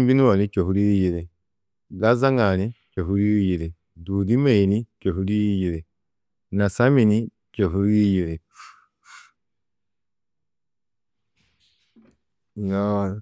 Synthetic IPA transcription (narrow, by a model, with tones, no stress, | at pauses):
m˦bi˦ni˦wa˨ni˦t͡ʃo˨fu˦ɾi˦ji˨ɾe˨ | ɡa˦za˦ŋa˨ni˦t͡ʃo˨fu˦ɾi˦ji˨ɾe˨ | du˨di˦me˦˨i˨ni˦t͡ʃo˨fu˦ɾi˦ji˨ɾe˨ | na˨sa˦mi˨ni˦ | t͡ʃo˨fu˦ɾi˦ji˨ɾe˨ | na˦˨